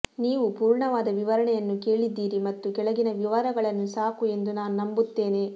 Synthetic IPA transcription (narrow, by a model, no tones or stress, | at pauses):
niːʋupuːɾɳɐʋaːd̪ɐʋiʋɐɾɐɳɛjɐnːuke̞ːɭid̪ːiːɾimɐt̪ːukɛɭɐɡinɐʋiʋaːɾɐɡɐɭɐnːusaːkue̞nd̪unaːnunɐmbut̪ːe̞ːne̞